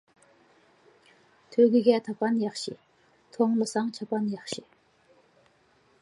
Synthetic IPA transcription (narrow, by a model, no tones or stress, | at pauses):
t̪ʰøɡəɡat̪ʰəpanjaχɕḭ | t̪ʰoŋləsaŋt͡ɕʰapːanjaχɕi